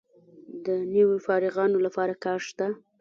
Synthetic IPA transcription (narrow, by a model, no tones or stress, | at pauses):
d̪əniwofɑɾɪɣɑnolapɑɾakɑɾʃt̪a